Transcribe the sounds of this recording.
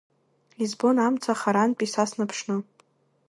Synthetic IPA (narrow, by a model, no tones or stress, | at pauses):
lizbo̞namt͡sʰaχaɾanpʼisasnapʰʂnɨ